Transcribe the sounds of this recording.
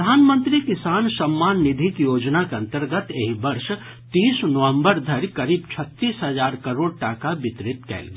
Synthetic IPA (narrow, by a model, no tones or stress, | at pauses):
d̪ʱaːnmə̃nt̪ɾikɪsaːnsɐmːaːnːɪd̪ʱikjoːd͡ʒnakeɐ̃nt̪əɾɡət̪eːɦbɐɾʃ | t̪iːsnəʋə̃mbəɾd̪ʱɐɾikɐɾiːbt͡ʃʰət̪ːiːsɦəzaːɾkɐɾoːɽʈaːkabɪt̪ɾɪt̪kɛ̰ːl